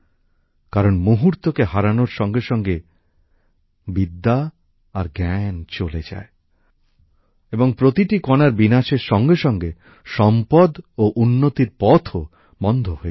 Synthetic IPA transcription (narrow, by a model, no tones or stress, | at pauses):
kaɾonmuɦuɾt̪okeɦaɾanoɾʃɔŋɡeʃɔŋɡe | bid̪ːa | aɾɡɛnt͡ɕoled͡ʑa̰e | eboŋpɾot̪iʈikonaɾbinaʃeɾʃɔŋɡeʃɔŋɡe | ʃɔmpɔd̪oʔunːot̪iɾpɔt̪ʰo | bɔnd̪ʱoɦoe